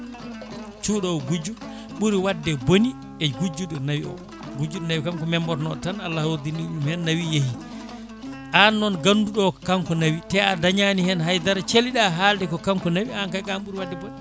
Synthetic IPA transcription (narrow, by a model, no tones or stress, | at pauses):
t͡ʃuːɗɔwɡud͡ʒu | ɓuɾiwadːɛboni | ɛɡud͡ʒuɗɔnawiɔ̰ | ɡud͡ʒuɗɔnawikamkɔmɛmbɔɾnɔɗɔtanalːahwoɾdinːiɗumhɛnːawijehi | ʔanːɔnɡanduɗɔkaŋkɔnawitɛadaɲanihɛnɦajdaɾt͡ʃeliɗaɦaːldɛkɔkaŋkɔnawiankajkamɓuɾiwadːɛbon